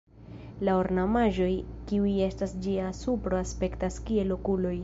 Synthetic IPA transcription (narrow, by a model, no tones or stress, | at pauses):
laoɾnamaʒo̞jkiuje̞stasd͡ʒiasupɾo̞aspe̞ktaskie̞lːo̞kulo̞j